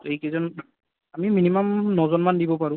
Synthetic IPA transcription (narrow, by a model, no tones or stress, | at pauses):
ejkɛzɔn | amiminimamnɔzɔnmandibɔpaɹʊ̃